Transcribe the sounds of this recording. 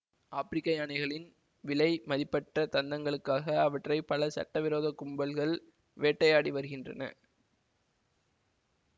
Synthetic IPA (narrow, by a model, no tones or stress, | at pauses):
ʔaːpɪɾɪkːɐjaːnɐɪɣɐɭɪn | ʋɪlɐɪmɐðɪpːɐʈrɐt̪ɐnd̪ɐŋɡɐɭɯkːaːɣɐːʋɐʈrɐɪpɐlɐsɐ̰ʈːɐʋɪɾoːðɐkːʊmbɐlɣɐɭ | ʋeːʈːɐjaːɽiʋɐɾɯɣɪndrɐ̰nɐ̰